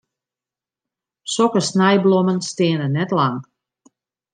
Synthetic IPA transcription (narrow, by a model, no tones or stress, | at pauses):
sɔkəsnɛjblomənstɪːnənɛtlaŋ